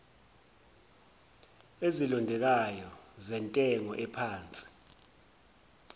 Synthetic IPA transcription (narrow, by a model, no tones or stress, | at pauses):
ezilɔndʱɛk̬ajɔzɛntʼɛŋɔ̰ʔɛpʰaːnt͡sʼi̥